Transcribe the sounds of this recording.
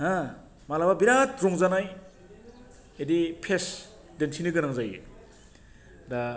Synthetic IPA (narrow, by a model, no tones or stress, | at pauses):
ɦa | malababiɾat̚ɾɔŋzanaj | edipʰes | dentʰinɯɡɯnaŋzaje | da